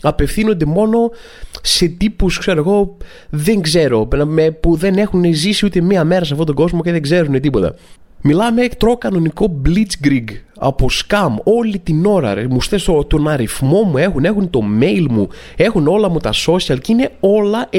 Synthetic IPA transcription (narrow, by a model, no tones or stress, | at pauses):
ɐpe̞fθino̞nd̪e̞mo̞no̞ | se̞t̪ipuskse̞ɾoeɣo̞ | ðe̞ŋɡze̞ɾo̞nɐmepuðe̞ne̞xunezisiut̪emiɐme̞ɾɐs̬ɐfto̞t̪oɡo̞zmo̞ceðeɡze̞ɾune̞t̪̬ipo̞t̪ɐ̰ | milɐmekt̪ɾo̞kɐno̞niko̞blit͡sɡɾiɡɐ̰po̞skɐmo̞lit̪ino̞ɾɐ̰must̪est̪ot̪onɐɾifmo̞mue̞xune̞xunt̪o̞me̞jlmu | e̞xuno̞lɐmut̪ɐso̞sɐlcine̞o̞lɐʔ